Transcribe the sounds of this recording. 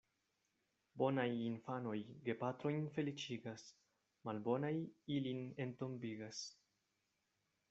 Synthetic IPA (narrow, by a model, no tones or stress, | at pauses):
bo̞najinfano̞jɡe̞pat̪ɾo̞jnfe̞lit͡ʃiɡas | malbo̞najiline̞nto̞mbiɡas